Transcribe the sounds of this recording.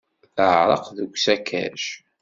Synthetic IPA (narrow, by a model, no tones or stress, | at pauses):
θəʕɾˤɑ̰qðəɡʷsækʰæ̰ʃ